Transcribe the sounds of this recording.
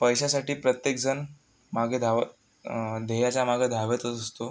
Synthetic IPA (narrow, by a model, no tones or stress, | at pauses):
pəjɕasaʈiːpɾət̪jek̚d͡zən | maɡʱed̪ʱaʋ | d̪ʱejat͡ɕamaɡed̪ʱaʋət̪əsəst̪o